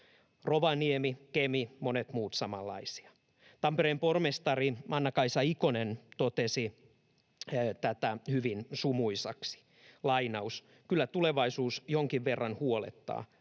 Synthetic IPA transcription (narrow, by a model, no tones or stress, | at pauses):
roʋɑniemikemimonet̪muːt̪sɑmɑlːɑ̰isi̥ɑ | t̪ɑmpeɾeːmpormest̪ɑrimʔɑnːɑkɑisɑikonent̪ot̪esi | t̪æt̪æhyʋinsumuisɑ̰ksi̥ | lɑinɑus | kylːæt̪uleʋɑisuːsjoŋkiʋʋerːɑnhuolḛt̪ːɑ̰ː